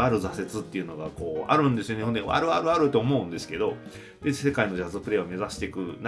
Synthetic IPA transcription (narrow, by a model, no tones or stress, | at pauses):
aɾɯ̟zase̞t͡sɨt̪ːe̞iɯ̟no̞ɡako̞ːa̰ɾɯ̟̃nd̪e̞sɨjo̞nehõnd̪eβa̰ɾɯ̟βaɾɯ̟aɾɯ̟t̪ːoːmo̞ɯ̟̃nd̪e̞sɨ̥ke̞d̪o̞ | d̪e̞se̞kaino̞ʑazɨpɯ̟ɾe̞ːome̞zaɕi̥t̪e̞kɯ̟n